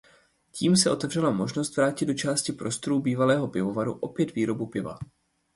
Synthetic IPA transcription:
cʰiːmsɛʔo̞t̪ɛvr̝ɛlamo̞ʒnost̪vɾaːcɪddo̞t͡ʃaːscɪpɾo̞st̪o̞ɾuːbiːvalɛːɦo̞pɪvo̞vaɾṵʔo̞pjɛt̪viːɾo̞bupɪva̰

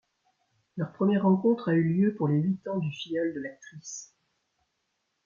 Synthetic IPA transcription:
lœʁpχəmjɛʁːɑ̃kɔ̃t̪χayljøpuʁleɥit̪ɑ̃d̪yfijɔld̪əlak̚t̪χis

